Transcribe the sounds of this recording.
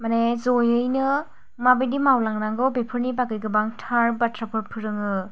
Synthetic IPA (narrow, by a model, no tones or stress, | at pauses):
manezojɯjnɯ | mabejdimawlaŋɾaŋɡɯwbepʰɯɾnipakɯjɡɯbaŋtʰaɾbatʰɾapʰɯɾpʰɯɾɯŋɯ